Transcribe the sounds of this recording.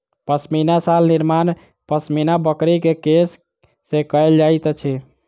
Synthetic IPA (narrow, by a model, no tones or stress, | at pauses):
pəsminasalniɾman | pəsminabəkɾikekesː | ẽkəeld͡ʒajt̪t͡ʃʰɛ